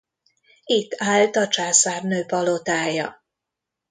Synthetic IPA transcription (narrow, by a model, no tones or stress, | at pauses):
it̪ːaːlt̪ɒt͡ʃaːsaːrnøːpɒlot̪aːjɒ̰